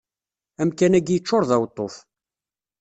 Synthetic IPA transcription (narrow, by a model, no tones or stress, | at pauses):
æmkænæɡjət͡ʃːoɾˤðæwt̪ˤːof